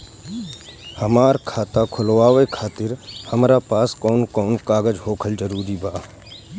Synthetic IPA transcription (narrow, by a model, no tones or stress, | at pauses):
həmaːɾkʰaːt̪akʰʊlʋaːʋekʰaːt̪ɪɾhəmɾapaːskɔːnkɔːnkaːɡəd͡ʒɦoːkʰəld͡ʒəɾuːɾibaː